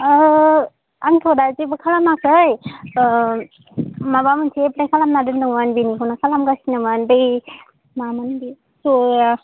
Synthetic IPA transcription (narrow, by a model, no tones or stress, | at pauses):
aŋtʰodazibɯkʰalamakʰɯj | mabamɯnsʰeplajkʰalamnadɯndɯŋmanbinikʰɔnakʰalamɡasinamanbɯj | mamanbi | suja